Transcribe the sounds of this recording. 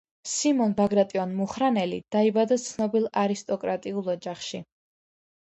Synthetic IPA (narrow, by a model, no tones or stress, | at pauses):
simɔnbaɡɾat̪ʼiɔnmuχɾanɛlḭd̪̥aibad̪at̪sʰnɔbilˠaɾist̪ʼɔkʼɾat̪ʼiulˠɔd͡ʒaχʃi